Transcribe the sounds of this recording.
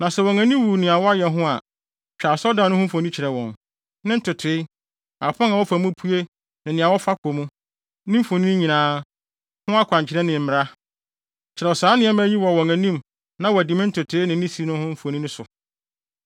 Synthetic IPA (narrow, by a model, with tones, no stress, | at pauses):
nã˨sɛ˨wɔ̃˨ŋæ̃˨nĩ˦m˦wu˨nɪ̃˨a˨wɔ˦a˦jɛ˨ɦʊ̃˦a˨ | t͡ɕᶣa˨sɔ˦dã˨˦nʊ̃˦hʊ̃˦fõ˨nĩ˦t͡ɕʰɪ˨ɾɛ˨wɔ̃˨n | nɪ̃˦n̩˦tʰʊ˨tʰɪ˨˦ | a˨pʰã˦ŋa˨wɔ˦fa˨mũ˦pʰu˦e˦ | nɪ̃˨nɪ̃˨a˨wɔ˦fa˦kʰo˨mũ˦ | nɪ̃˦m̩˦fõ˨nĩ˦ɲĩ˨nãː˦ | hʊ̃˦a˦kʷʰã˨ɲ˨t͡ɕʰɪ˨ɾɛ˦nɪ̃˨m̩˨mɪ˨ɾa˦ | t͡ɕʰɪ˨ɾɛ˨ɔ˨saː˦nɪ̃˦ɛ˦m˦æ˦ɲi˦wɔ˨wɔ̃˨ŋæ̃˨nĩ˦m | nã˦wɔ˨æ˨dĩ˨mɪ̃˦n̩˦tʰʊ˨tʰe˦nɪ̃˨˦ĩ˦si˦nʊ̃˦hʊ̃˦m̩˦fo˨nĩ˦nɪ̃˦sʊ˨